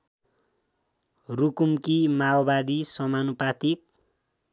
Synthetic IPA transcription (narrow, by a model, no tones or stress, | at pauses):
rukumkimawbad̪isʌmanupat̪ik̚